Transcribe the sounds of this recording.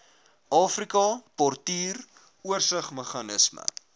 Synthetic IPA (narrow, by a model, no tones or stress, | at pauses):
ʔɑːfrikɑpɔrtiːr | uərsəχməχɑnəsmə̰